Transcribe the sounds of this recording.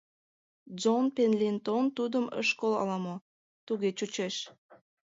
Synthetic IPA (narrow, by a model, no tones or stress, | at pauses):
zonpenlʲint̪ont̪ud̪əmə̰ʃkolɑ̰lɑmo | t̪uɣet͡ɕut͡ɕeʃ